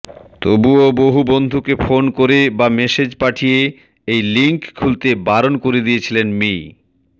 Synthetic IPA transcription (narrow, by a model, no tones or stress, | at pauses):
t̪obuoboɦubond̪ʱukefonkoɾebamesed͡ʑpaʈʰije | ejliŋkkʰːult̪ebaɾonkoɾed̪ijet͡ɕʰilenmi